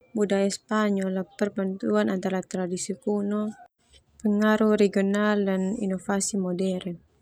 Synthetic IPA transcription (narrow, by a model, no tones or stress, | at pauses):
budajaspaɲɔlapərbant̪uanant̪aɾat̪ɾadisikunɔ | pəŋaɾuɾeɡionaldanḭnofasimɔdɛɾn